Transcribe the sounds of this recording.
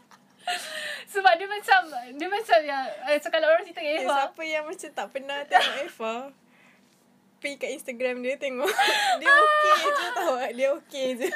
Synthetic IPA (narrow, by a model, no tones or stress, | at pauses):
səbap̚dəmat͡ʃamdiəmat͡ʃamjaəsokalaʔoɾaŋsit̪əkaʔefsaapəjaŋmat͡ʃamt̪aʔpənaht̪eŋɔʔɛfal | pikaʔinst̪aɡɾamdiət̪eŋɔʔdiəokeik̪it̪aʔdiəoked͡ʒu